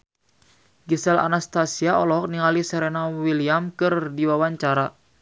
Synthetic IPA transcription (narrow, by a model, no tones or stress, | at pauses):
ɡisɛla̰nast̪asiaɔlɔɦɔk̚niŋalisɛɾɛnawiliamkɨrdiwawaɲt͡ʃaɾa